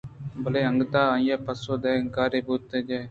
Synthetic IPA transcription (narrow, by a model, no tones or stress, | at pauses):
bʱəleːə̃ŋɡt̪aːaːĩjaːpəsoːd̪eːŋkaːɾeːbuːt̪ːeːd͡ʒeː